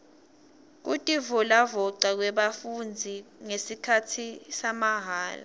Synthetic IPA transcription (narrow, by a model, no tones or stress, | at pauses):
k̬utʼivɔlavɔǀak̬wɛɓafund͡zʱiŋesikʰatʰisamaɦaːla̰